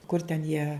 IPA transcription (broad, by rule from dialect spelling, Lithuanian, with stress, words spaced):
kʊr tʲɛn jiɛ